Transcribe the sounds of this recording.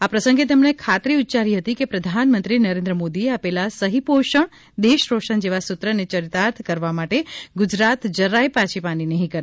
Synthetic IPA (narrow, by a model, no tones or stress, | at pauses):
apɾəsə̃ŋɡet̪emɳekʰat̪ɾiut̪ːt͡ʃaɾiɦət̪ikepɾəd̪ʱanmənt̪ɾinəɾẽnd̪ɾəmod̪ieapelasəɦipoʃəɳ | d̪eʃɾoʃəɳd͡ʒeʋasʊt̪ɾənet͡ʃəɾit̪aɾt̪ʰkəɾʋamaʈeɡʊd͡ʒɾat̪d͡ʒəɾajpãt͡ʃʰipaninəɦĩkəɾ